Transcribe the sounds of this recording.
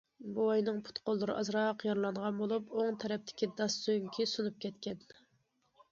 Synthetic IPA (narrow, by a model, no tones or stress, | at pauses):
buɑjnɨŋpʰu̥t̪qolˠːɨɾɨʔɑzɾɑqjɑɾlˠɑɴʁɑnbolˠupoŋt̪ʰɛɾɛp̚t̪ʰɪ̥kʲid̪ɑsːøŋkʲʰisunup̚kʲʰɛt̪kʲɛn